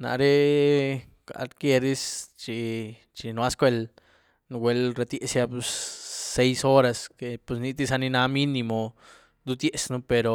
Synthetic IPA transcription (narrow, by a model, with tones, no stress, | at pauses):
na̰˨ɾe˦ | ka̰˨ɾkje˧ɾi˦st͡ʃi˧ | t͡ʃi˧nwa˦skʷe˧l | n˧ɡwʷe˧lɾa˧t̪je˧sja˧pu˧sːe˧jso˦ɾa˧ske˧pe˧sni˧t̪i˧s̬a˧ni˧na˧mi˦ni˧mo˧ | d̪u˦d̪je˧snu˧pe˧ɾo˨